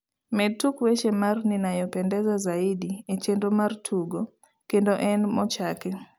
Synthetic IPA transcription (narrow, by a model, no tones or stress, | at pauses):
mɛtukwet͡ʃemarninajɔpɛndɛzɔzaidiet͡ʃendomartʰuɡo | kendoʔɛnmɔt͡ʃakɛ